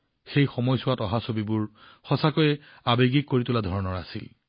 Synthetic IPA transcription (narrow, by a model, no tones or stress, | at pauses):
xejxɔmɔjsʊwatɔɦasobibʊɹ | xɔsakojɛ | abeɡikːoɹitʊladʱɔɹɔnɔɹasḭl